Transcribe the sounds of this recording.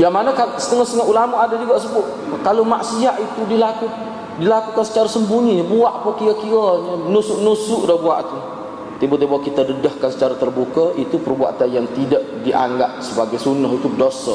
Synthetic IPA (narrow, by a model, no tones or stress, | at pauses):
jaŋmanakasə̥t̪əŋɔhst̪əŋaʔulamaʔadad͡ʒuɡaʔsəbʊʔ | kalomaʔsiaʔit̪udilaku | dilakukansə̥t͡ʃaɾasəmbuɲibuaʔpəkiakiaɲənusʊʔnusʊʔdɔhbua̰ʔt̪u | t̪ibət̪ibawaʔkit̪adədəhkansə̥t͡ʃaɾat̪ərbukəit̪upərbua̰t̪anjaŋt̪idəʔdiʔa̰ŋɡap̚səbaɡajsunəɦit̪udosə